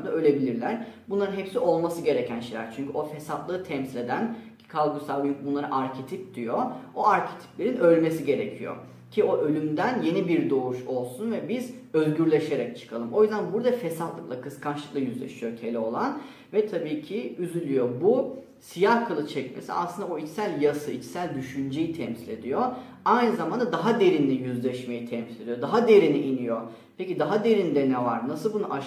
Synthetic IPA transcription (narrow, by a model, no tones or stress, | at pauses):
d̪aø̞lʲe̞bilʲiɾlʲæɾbunlˠaɾɯnɦɛpsiʔo̞lˠmasɯɡɟe̞ɾecʰænʃejlʲæ̰ɾt͡ʃʰyɲcʰyo̞fesat̪lˠɯːt̪ʰɛmsilʲe̞d̪æn | kʰalˠɡusalˠɡynbunlˠaɾɯʔaɾcʰet̪ʰip̚d̪̥ijoo̞aɾcʰet̪ʰi̥plʲe̞ɾinø̞lʲme̞siɟe̞ɾecʰijo̰ | cʰio̞ʔølʲymd̪ænje̞nibiɾd̪o̞uʃo̞lˠsunvɛbizø̞zɟyɾlʲe̞ʃe̞ɾɛc̚t͡ʃʰɯ̥kʰalˠɯmʔo̞jyzd̪ænbuɾd̪afesat̪lˠɯklˠakʰɯskʰanʃlˠɯklˠajyzlʲḛʃijo̞t̪ʰe̞lʲɛo̞lˠan | vɛt̪ʰabiːcʰiyzylʲyjobu | sijahkʰalˠɯt͡ʃʰɛcmḛsḭa̰sˠɯnd̪aoit͡ʃsælʲjasɯit͡ʃsælʲd̪yʃynd͡ʒejit̪ʰɛmsilʲe̞̰d̪ijo | ajnɯzamand̪ad̪aɦad̪e̞ɾinlʲijyzlʲɛʃme̞jit̪ʰɛmsilʲe̞d̪ijod̪aɦad̪e̞ɾiniʔinijo | pʰecid̪aɦad̪e̞ɾind̪ɛnɛva̰ɾnasɯlˠbunuʔa